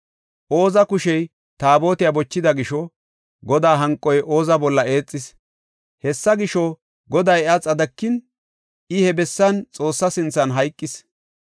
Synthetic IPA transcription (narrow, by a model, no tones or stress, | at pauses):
ʔo̞ːzɐkʊʃɛj | t̪aːbo̞ːt̪ɪjɐbɔt͡ʃːɪd̪ɐɡɪʃɔ | ɡɔd̪aːɦɐŋkʼːɔjʔo̞ːzɐbɔlːɐeːt͡sʼːɪs | hɛsːɐɡɪʃɔ | ɡɔd̪ɐjɐt͡sʼɐd̪ɐkːɪn | ʔɪhɛbɛsːɐnt͡sʼo̞ːsːɐsɪnt͡sːɐnɦɐjkʼːɪs